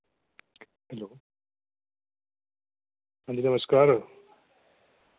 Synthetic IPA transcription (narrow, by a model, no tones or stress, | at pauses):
hɛloː | ãnd͡ʑinɐməskaːɾ